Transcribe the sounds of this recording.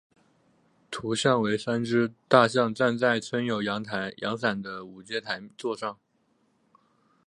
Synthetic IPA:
t̪ʰu˧˥ɕjɑ˥˩ŋwe˧˥ɪʂa˥nʈ͡ʂɻ̩˥t̪a˥˧ɕ̬jɑ˥˧ŋt͡sa˥˧nt͡sa˥˩ɪt͡sʰwə˥njo˨˩ʊjɑ˧˥ŋt̪ʰa˧˥ɪjʔɑ̰˧˥ŋxa˨˩nd̪ə˦u˨˩t͡ɕjɛ˥˩t̪ʰa˧˥ɪt͡swɔ˥˧ʂɑ˥˩ŋ

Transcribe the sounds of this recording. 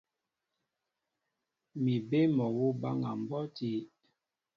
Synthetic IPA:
mi˨be˦mɔ˨wu˦ba˦ŋa˨m˨bɔ˦ti˦

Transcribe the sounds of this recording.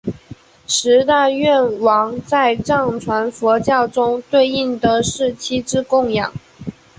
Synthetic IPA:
ʂɻ̩˧˥t̪a˥˧ɥɛ˥˩nwɑ˧˥ŋt͡sa˥˧ɪʈ͡ʂɑ˥˩ŋʈ͡ʂʰwa˧˥nfɔ˧˥t͡ɕjɑ˥˩ʊʈ͡ʂʊ˥ŋt̪we˥˧ɪi˥˩ŋt̪ə˧˦ʂɻ̩˥˩t͡ɕʰi˥ʈ͡ʂɻ̩˥kʊ˥˩ŋjɑ̰˨˩˦ŋ

